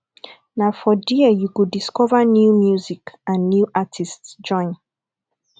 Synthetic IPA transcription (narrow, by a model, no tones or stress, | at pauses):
nafɔdiɛjukudiskɔvanjumjuzikãnːjuʔatʰistsd͡ʒɔ̃ɪ̃n